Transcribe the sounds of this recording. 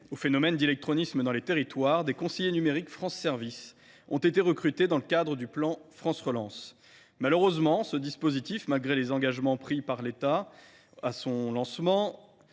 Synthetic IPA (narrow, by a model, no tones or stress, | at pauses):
ofenɔmɛnd̪elɛk̚t̪χɔnisməd̪ɑ̃let̪eʁit̪waʁd̪ekɔ̃sejenymeʁikfχɑ̃sːɛʁvis | ɔ̃t̪et̪eʁəkχyt̪ed̪ɑ̃ləkad̪ʁəd̪yplɑ̃fχɑ̃sʁəlɑ̃s | maløʁøzmɑ̃səd̪ispozit̪ifmalɡʁelezɑ̃ɡaʒmɑ̃pχipaʁlet̪a | asɔ̃lɑ̃smɑ̃